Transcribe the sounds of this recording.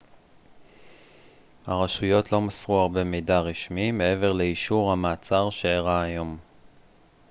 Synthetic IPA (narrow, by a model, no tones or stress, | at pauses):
haʁaʃujo̞tlo̞masʁuaʁbe̞mijdaʁiʃmime̞e̞ve̞ʁle̞iʃuʁhamaːt͡saʁʃeːʁaːjo̞m